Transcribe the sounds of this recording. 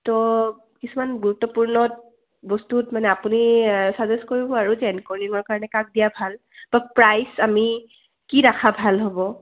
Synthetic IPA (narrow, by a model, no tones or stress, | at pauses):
tɔ | kisumanɡuɹutːɔpuɹnɔt | bɔstutmanɛapunisazeskoɹibɔaɹuzɛɛnkɔniŋɔɹkaɹɔnɛkak̚dijabʱal | bapɹajsami | kiɹakʰabʱalɦobɔ